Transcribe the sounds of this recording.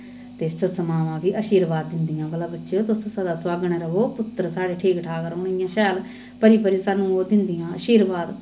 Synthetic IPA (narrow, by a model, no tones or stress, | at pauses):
t̪eːsəsəmaːʋãːʋiːʔəʃiːɾʋaːd̪ːɪnd̪ijãːbəlabətːʃeːoːt̪ʊssəd̪aːswaːɡɳɛːɾəɦoːpʊt̪ːɾsaːɽeːʈʰiːkʈʰaːkəɾoːnɪjãːʃɛːl | pəɾiːpəɾiːsaːnũːoːd̪ɪnd̪ɪjãːəʃiːɾʋaːd̪